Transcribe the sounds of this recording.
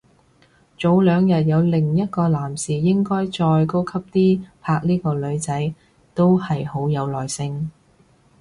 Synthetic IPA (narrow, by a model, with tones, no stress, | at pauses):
t͡so˨˥wlœː˨˧ŋjɐ˨t̚jɐ˨˧wlɪ˨˩ŋjɐ˥t̚kɔː˧laː˨˩msiː˨jɪ˥ŋkɔː˥jt͡ʃɔː˧jko˥wkʰɐ˥p̚t̪iː˥pʰaː˧k̚niː˥kɔː˧lɵ˨˧ɥt͡sɐ˨˥j | t̪o˥whɐ˨jho˨˥wjɐ˨˧wlɔː˨˩jsɪ˧ŋ